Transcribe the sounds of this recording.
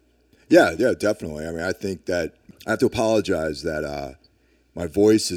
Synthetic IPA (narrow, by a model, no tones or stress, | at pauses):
jæjædɛfənətˡliaɪmĩnaɪθɪ̃ŋk̚ðɨt̚aɪhæftəəpʰɑlˠəd͡ʒaɪzðɨtʌ̰ | maɪvɔɪsɨ